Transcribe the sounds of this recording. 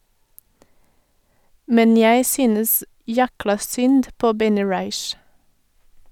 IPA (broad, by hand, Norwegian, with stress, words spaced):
ˈmɛn ˈjæɪ ˈsyːnəs ˈjæklɑ ˈsʏnd ˈpoː ˈbɛnɪ ˈɹɑɪʃ